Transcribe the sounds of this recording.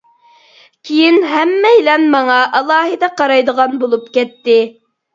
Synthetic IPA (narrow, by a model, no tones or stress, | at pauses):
kʲʰijɪnɦɛmːɛjlɛnmɑŋɑʔɑlˠɑːɦɨd̪ɑqɑɾɑjd̪əʁɑnbolˠupkʲɛt̪ːɪ